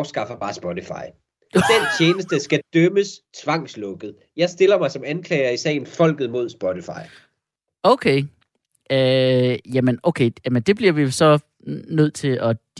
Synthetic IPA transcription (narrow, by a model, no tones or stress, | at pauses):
ʊsɡ̥ɑ̈fɐb̥ɑ̈ːsb̥ɔɾifɑ̈ɪ | d̥ent͡ɕʰeːnəsd̥əsɡ̥æd̥œməst͡sʰʋɑ̈ŋ̰slɔ̽ɡ̥ð̩ˠ | jɑ̈ɪsd̥e̝lɐmɑ̈ɪsɒ̽mænkʰlɛːɪɐisɛ̰ɪn̩fɒ̽l̰ɡ̥ð̩ˠmo̝ð̞̰ˠsb̥ɔt͡sifɑ̈ɪ | oʊkʰeɪ | jæmənoʊkʰeɪjæmənd̥e̝b̥liɐʋisɒ̽ | nøð̞̰ˠt͡sʰe̝ɒ̽d̥